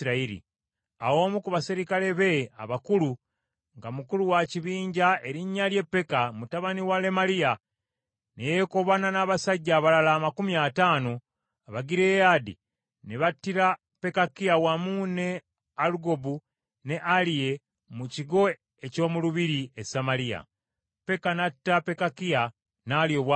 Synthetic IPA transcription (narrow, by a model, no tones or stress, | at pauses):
ɾaiɾḭ | a̰wo̞ːmukuβasiɾikale̞βe̞a̰βakulu | ŋɡamukuluwaciβiːɲɟae̞ɾiɲːalje̞pːe̞kamutaβaniwale̞malia | nejeko̞βananaːβasaɟːaːβalalaːmakumiataːno | aβaɡiɾe̞jadḭ | neβatːiɾa | pe̞kakijawamuːne̞ | aluɡo̞bu | ne̞ʔalije̞ | muciɡo̞ | e̞co̞ːmuluβiɾiesamalija̰ | pe̞kanatːape̞kakija | naljo̞ːβwa